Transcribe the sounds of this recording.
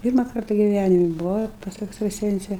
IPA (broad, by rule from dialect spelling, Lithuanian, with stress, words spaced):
ˈpʲiːrmɐ ˈkɐrtɐ ɡʲɪˈʋʲænʲɪmʲɪ bʊˈʋɐʊ ɪr pɐs ɛkstrɐˈsʲɛnʲt͡sʲɛ